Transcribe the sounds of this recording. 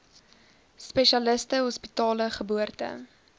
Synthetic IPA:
spɛʃiɐləstəɦɔspitɑːləχəbuərtə̰

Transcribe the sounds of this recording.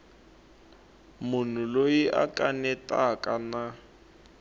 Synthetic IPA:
mʊn̤ʊlojiʔa̰kʼanɛtʼakʼana

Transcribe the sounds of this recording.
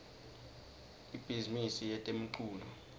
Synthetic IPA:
ib̥ʱizimisijɛtʼem̩ǃuːlu

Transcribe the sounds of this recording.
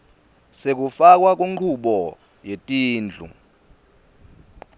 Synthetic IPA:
sek̬ufak̬ʼwak̬ʼuŋ͡ǃʰuɓɔ | jetʼiːnd͡ɮʱṵ

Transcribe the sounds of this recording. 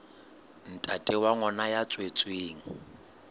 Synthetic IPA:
n̩tʼatʼɪwaŋɔnajat͡sʼwet͡sʼweːŋ̩

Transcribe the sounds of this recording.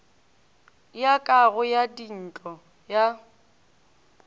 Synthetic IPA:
jakʼaɣʊjadin̩t͡ɬʼɔ | ja

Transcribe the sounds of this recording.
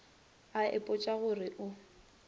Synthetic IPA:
aɪ̰pʼʊt͡ʃʼaɣʊrɪʔʊ

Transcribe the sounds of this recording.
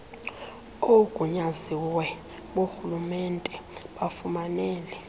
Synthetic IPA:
oɡ̥ʱʼuɲaziwɛ | ɓoxulumɛntʼɛɓafumanɛːlɛ

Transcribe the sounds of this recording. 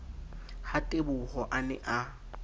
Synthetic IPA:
hatʼebʊhɔʔanɛʔa

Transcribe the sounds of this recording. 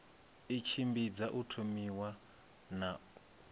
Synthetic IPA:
it͡ʃʰimbid͡zaʔutʰomiwa | na

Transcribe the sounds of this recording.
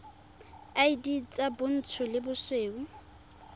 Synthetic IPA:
aidit͡sʼabʊn̩t͡sʰʊlɪbʊsweːu

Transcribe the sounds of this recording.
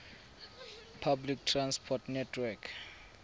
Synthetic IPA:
pʰablik̚tʰrãnspʰɔtnɛtʰwɛkʰ

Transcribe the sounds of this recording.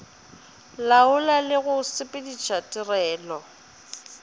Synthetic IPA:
laʊlalɪɣʊsɪpʼɪdit͡ʃʰatʼɪrɛːlɔ

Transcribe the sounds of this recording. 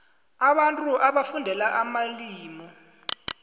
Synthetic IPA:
aɓantʼuʔaɓafundʱɛlaʔamaliːmɔ

